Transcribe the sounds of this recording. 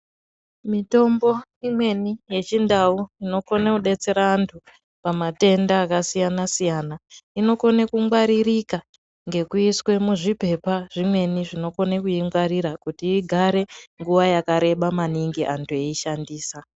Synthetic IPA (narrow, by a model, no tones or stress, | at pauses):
mito̞mbo̞imwe̞nije̞t͡ʃindauino̞ko̞nekuɗe̞t͡se̞ɾaːntʰu | pamate̞ndaːkasijanasijanaino̞ko̞nekumɡwaɾirika | ŋɡe̞kuiswe̞muʐipe̞paʐ̥imwe̞niʐino̞ko̞nekuiŋɡwaɾiɾakutiːɡʱaɾe̞ŋɡuʋajakaɾe̞ɓamaniŋɡiʔantʰue̞iʃandiːsa